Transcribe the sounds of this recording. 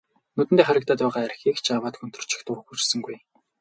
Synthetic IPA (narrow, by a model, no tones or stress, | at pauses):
nɵt̪ɘ̆nt̪eːχæɾʲɪ̆kt̪aːt̪ʊːʁaːæɾʲxiːkt͡ɕʰawaːt̪xɵnt̪ɵ̆r̥t͡ɕɪ̥̆xt̪ʰʊxut͡ɕsə̆ŋɡuj